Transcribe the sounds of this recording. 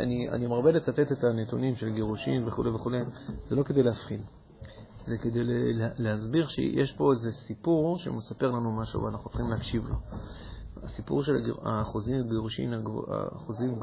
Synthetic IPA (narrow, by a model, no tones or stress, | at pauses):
ʔa̰nia̰nimaʁbelet͡sat̪e̞t̪et̪anet̪unimʃe̞laɡeʁuʃḭmve̞χuleveχulejz̥elo̞ked̪e̞jleafχil | zeked̪ejleleleazbiʁʃḛjʔeʃpo̞ezesipuʁʃḛmesape̞ʁlanumaʃṵv̰anaχnut͡sχimleakʃivlo̞̰ | asipṵʁʃela̰ɡa̰χozimaɡeʁuʃḭma̰a̰χozim